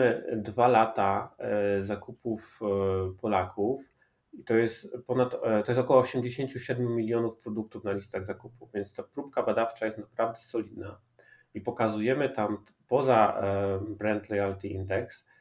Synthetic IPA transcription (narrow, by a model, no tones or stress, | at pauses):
ɘd̪valat̪a | zakupufpɔlakʰuf | it̪ɔjɛst̪pɔnat̪t̪ɔjɛst̪ɔkɔwɔːɕɛmd͡ʑeɕeɲt͡ɕuɕɛd̪mʲjumʲilʲjɔnufpɾɔd̪uk̚t̪ufnalʲist̪aɣzakupuvvʲjɛnt̪st̪apɾupkabad̪aft͡ʂajɛst̪napɾavd̪ɛsɔlʲid̪na | ipɔkazujɛmɘt̪am | pɔza | bɾɛnt̪lɔjalt̪ʲiḭnd̪ɛks